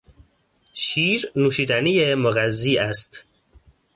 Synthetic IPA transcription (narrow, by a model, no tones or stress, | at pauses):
ʃiːɾnuːʃiːd̪ænijemoɣæzːiːæst̪